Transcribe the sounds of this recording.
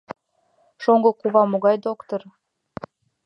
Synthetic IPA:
ʃoŋɡŏkuβɑmoɣɑjd̪okt̪or

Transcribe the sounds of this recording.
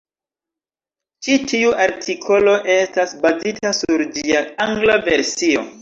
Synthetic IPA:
t͡ʃitiuʔaɾtʰikʰo̞lo̞ʔe̞stasbazitasuɾd͡ʒiaaŋɡlave̞ɾsio̞̰

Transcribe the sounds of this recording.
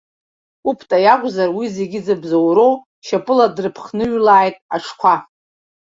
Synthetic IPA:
upʰtʼajakʷʼzarwize̞ɡʲɪd͡zɨbzowɾo̞w | ʃapʼɨladrɨpʰχnɨɥlaːjtʼaʈ͡ʂʰkʷʰa

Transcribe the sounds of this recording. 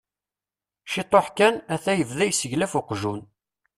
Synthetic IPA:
ʃit̪ˤːoħkænæθæjəvðæjsəʝlæfʊqʒun

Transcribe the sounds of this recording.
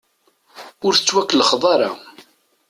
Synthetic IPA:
ʊɾθə̥t͡sːwækːəlχðˤɑɾˤɑ̰

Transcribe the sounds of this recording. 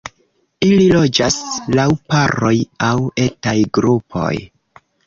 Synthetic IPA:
ililo̞d͡ʒaslawpaɾo̞jawe̞tajɡɾupʰo̞̰j

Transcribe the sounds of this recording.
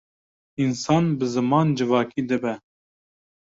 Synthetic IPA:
insɑːnbɨzɨmɑːnd͡ʒɨvɑːkiːd̪ɨbɛ

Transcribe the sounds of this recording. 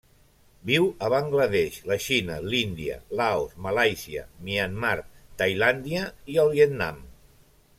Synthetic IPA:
biwəβaŋɡləðɛʃləʃinəlind̪iə̰laosmalajsiə̰mianmaɾkt̪ajland̪iəiəlˠβjet̪na̰m

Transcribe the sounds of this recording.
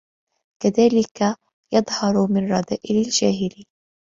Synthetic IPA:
kaðaːlɪka | jɑd̪ˤhɑɾˤmɪnrˤɑd̪aːʔɪlald͡ʒaːɦɪli

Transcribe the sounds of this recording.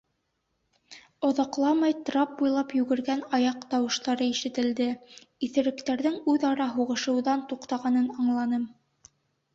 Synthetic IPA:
ŏðɑqlˠɑmɑjt̪ɾɑp̚bujlˠɑpjʉɡɘ̆ɾɡænɑjɑqt̪ɑwɤ̆ʃt̪ɑɾɤiʃɘ̆t̪ɘ̆ld̪ɘiθɘ̆ɾɘ̆kt̪æɾðɘŋʉðɑɾɑɦuʁɤ̆ʃɤ̆wðɑnt̪uqt̪ɑʁɑnɤnɑɴlˠɑnɤm

